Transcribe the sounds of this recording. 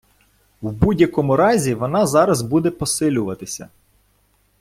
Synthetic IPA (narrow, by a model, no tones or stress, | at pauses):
wbudʲjɐkɔmʊɾɑzʲiʋɔnɑzɑɾɐzbud̪ɛpɔsɪlʲʊʋɐt̪ɪsʲɐ̰